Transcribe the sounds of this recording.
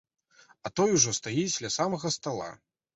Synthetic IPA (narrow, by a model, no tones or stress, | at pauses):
ɐt̪ɔjuʐɔst̪ajid͡zʲlʲasamɐɣɐst̪alˠa̰